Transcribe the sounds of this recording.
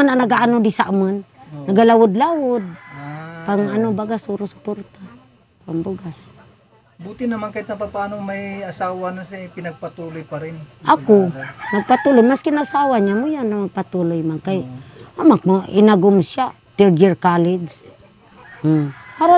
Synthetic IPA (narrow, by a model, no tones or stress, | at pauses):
anaŋnaɡaʔanod̪isaʔmanːaɡalawʊd̪lawʊd̪̚kaŋanobaɡasuɾʊsʊ̥poɾt̪a | paŋbuɡas | but̪ɪnɐmankaɪt̪̚nɐpapaːnomajasaːwanasepɪnɐɡ̚pat̪uːlojpaɾɪnʔakonaɡ̚pat̪ulojmaskɪnaasaːwaɲamʊjanːamaɡ̚pat̪ulojmaŋkajamakoʔɪ̰naɡʊmsja | t̪ɛɾd͡ʒɛɹkaled͡ʒ | paɾo